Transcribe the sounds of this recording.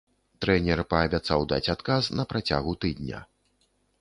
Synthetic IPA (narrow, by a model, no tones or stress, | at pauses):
t̪ɾɛnʲɛrpɐːbʲat̪sawd̪a̰t͡sʲat̪kasnɐpɾʔat͡sʲa̰ɣut̪ɨd̪nʲɐ̰